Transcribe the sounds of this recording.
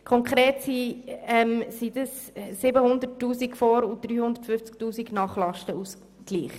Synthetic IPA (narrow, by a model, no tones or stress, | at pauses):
kʰɔŋkχɾeːtsiɛmsid̥əsː | ɪbəhʊnd̪ətːuːsikfɔɾʊd̥ɾyːhʊnd̪ətfʏft͡sk̚tuːsiɡnɑːχlɑʃtəus | kliːχ